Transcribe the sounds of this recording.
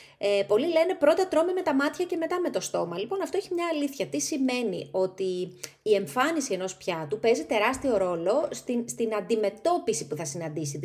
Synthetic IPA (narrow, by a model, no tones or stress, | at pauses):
epo̞lile̞ne̞pɾo̞t̪ɐt̪ɾo̞meme̞t̪ɐmɐt̪çɐce̞me̞t̪ɐme̞t̪o̞st̪o̞mɐlipo̞nɐft̪o̞eçimɲɐːliθçɐt̪isime̞nḭo̞t̪iː | e̞ɱfɐnisie̞no̞spçɐt̪upe̞zit̪e̞ɾɐst̪io̞ɾo̞lo̞st̪inst̪inɐnd̪ime̞t̪o̞pisipuθɐsinɐnd̪isit̪